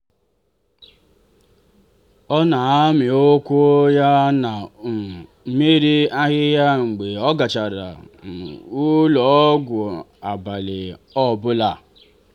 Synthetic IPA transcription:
ɔ˦na˨a˦mɪ˨o˦kʷo˦ja˦na˨˦ | me˦ɾi˦a˦ɣɪ˦ja˦ŋ͡m̩˨ɡ͡be˨ɔ˦ɡa˨t͡ʃa˨ɾa̰˨ | u˦lɔ˨˦ɡʷʊ˨a˨ba˨lɪ˨ɔ˦˨bʊ˦la˨

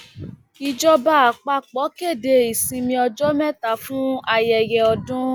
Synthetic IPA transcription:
i˧d͡ʒɔ˦ba˦a˨k͡pa˧k͡pɔ˨˦ke˦˨de˧˨i˨sĩ˧mĩ˧ɔ˧d͡ʒɔ˦mɛ̃˦˨ta˨fũ˦a˧jɛ˨jɛ˨ɔ˧dʊ̃˦

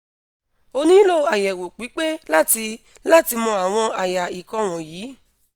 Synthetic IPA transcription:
o˧nĩ˦lo˦a˨jɛ˨wo˨k͡pi˨˦k͡pe˦la˦˨ti˧ | la˦˨ti˧mɔ̃˧a˨w̃ɔ̃˧a˨ja˨i˨kɔ̃˧w̃ɔ̃˨jiː˨˦

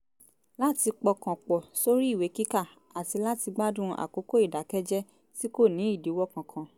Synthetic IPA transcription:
la˦ti˧k͡pɔ˧kã˨k͡pɔ˨so˦ɾi˦i˦˨we˨˦ki˦ka˦˨ | a˨ti˧la˦ti˧ɡ͡ba˦dũ˦ʔa̰˨ko˨˦ko˦i˦˨da˨˦kɛ˦d͡ʒɛ˦ | ti˦ko˦˨nĩ˨˦i˦˨di˨˦wɔ˦kã˨kʰã˧

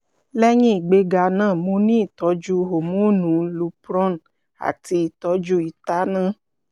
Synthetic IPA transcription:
lɛ˦ɲĩ˦i˦˨ɡ͡be˧ɡa˧nãː˦˨mo˧nĩ˦i˨tɔ˨˦d͡ʒu˦ɦo˨mũ˨˦nũ˨˦lu˨˦pɾɔ̃˦n | a̰˨ti˧i˨tɔ˦d͡ʒu˦i˨ta˦nã˦˨

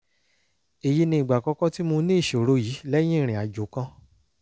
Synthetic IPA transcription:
e˨ji˦nĩ˧˦i˨ɡ͡ba˨kɔ̃˧kɔ̃˦ti˦mo˧nĩ˦i˦˨ʃo˨ɾo˦jiː˨˦lɛ˦j̃ĩ˦ĩ˦˨ɾ̃ĩ˨a˨d͡ʒo˨˦kã˦

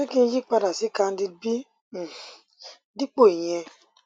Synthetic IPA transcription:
e˦ki˦n̩˦d͡ʒi˦k͡pa˦ɾa˨sɪ˦ka˦n̩˦dɪ˦bi˦˨˦ | dɪ˦k͡po˦i˨ɲe˦

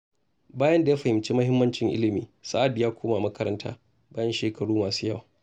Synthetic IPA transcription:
baː˦jɐ˦nda˨ja˦ɸɐ˨hɪ˨mt͡ʃeː˦mɐ˦hɪ˦mːɐ˦nt͡ʃɪ˨ŋʔɪ̰˦lɪ˨miː˨sa˦ʔa˨djaː˦kʷoː˦maː˨mɐ˦kɐ˦ɾɐ˦ntʰa̰ː˦ | baː˦jɐ˦nʃeː˨kʰɐ˨ɽuː˦maː˨suː˦jɐ˦wa˨

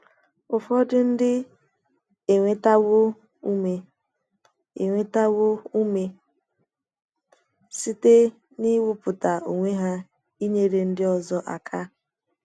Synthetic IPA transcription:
ʊ˨fɔ˦dɪ˦n̩˦dɪ˦ | e˨ŋʷe˦ta˦wo˦ | u˦me˨ | ḛ˨ŋʷe˦ta˦wo˦u˦me˦ | si˦te˦ | ni˦wʊ˦pʊ˨ta˨u˨ŋʷe˦ɦa˦ | i˦ɲe˦ɾe˨n̩˦dɪ˦ɔ˨zɔ˦ʔa̰˨kʰa˦

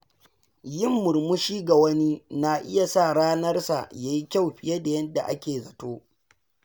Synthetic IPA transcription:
jɪ˦˨mːʊ˨ɾmʊ˦ʃiː˦ɡa˨wɐ˦ni˦na˨ʔɪ̰˦ja˨sa˦˨ɽaː˦nɐ˦rsa̰˨jaː˨ji˦kʲa˦wɸɪ˨ja˦da˨jɐ˦da˨ʔa̰˦kʲeː˨zɐ˨toː˦

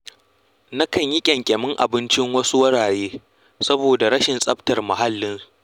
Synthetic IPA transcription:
na˦kɐ˨ɲjɪ˦kʲʼɛ˨ŋkʲʼɛ˨mɪ˦ŋʔa̰˨bɪ˦nt͡ʃɪ˦ŋwɐ˦su˦wɐ˦ɽaː˨ɽeː˦ | sɐ˦boː˨da˨ɾɐ˦ʃɪ˨nsʼɐ˦ɸtɐ˨rmɐ˨ɦa˦lːɪ˦n

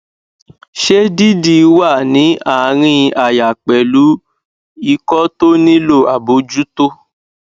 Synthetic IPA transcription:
ʃe˦di˦di˦˧wa˦˨nĩ˨˦ʔa˨˦ɾ̃ĩ˧a˨ja˨k͡pɛ˨lu˨˦ | i˧kɔ˦to˦nĩ˦lo˦˨a˨bo˨˦d͡ʒu˦to˦

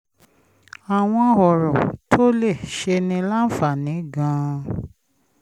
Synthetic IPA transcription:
a˨w̃ɔ̃˧˦˧hɔ˨ɾɔ˨tʰo˦le˦˨ʃe˧nĩ˧la˦n̩˦fa˦˨nĩ˨˦ɡã˧

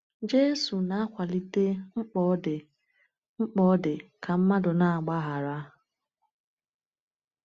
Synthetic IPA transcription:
d͡ʒe˦su˨na˦a˦kʷa˨li˦te˦ŋ͡m̩˦k͡pɔ˦dɪ˨ | ŋ͡m̩˦k͡pɔ˦dɪ˨kʰa˨m̩˦ma˦dʊ˨na˦a˨ɡ͡ba˦ɦa˨ɾa˦

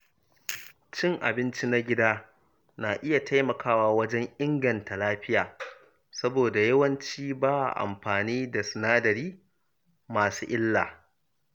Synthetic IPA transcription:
t͡ʃɪ˦ŋʔa̰˨bɪ˦nt͡ʃi˦na˦ɡʲɪ˦daː˦ | naː˨ʔɪ˦ja˨ta˦jmɐ˨kʰaː˦waː˦wɐ˦d͡ʒɛ˦ŋʔɪ˦ŋɡɐ˨nta˨laː˦ɸɪ˦jaː˨ | sɐ˦boː˨da˨jɐ˦wɐ˦nt͡ʃiː˦baː˦a̰˨ʔa̰˨mɸaː˨niː˦da˨sɪ˨naː˦dɐ˨ɾiː˦ | maː˨suː˦ʔɪ˦lːaː˨

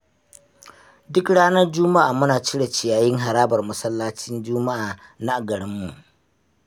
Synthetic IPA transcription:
dʊ˦kɽaː˦nɐ˦rd͡ʒʊ˦ma˦ʔaː˨mʊ˦naː˨t͡ʃɪ˦ɽa˨t͡ʃɪ˨jaː˨jɪ˦ŋɦa˨ɾaː˦bɐ˨rmʊ˦sɐ˦lːaː˦t͡ʃɪ˦nd͡ʒʊː˦ma˦ʔaː˨na˦ʔa˨ɡɐ˨ɽɪ˦mːu˨ʔ

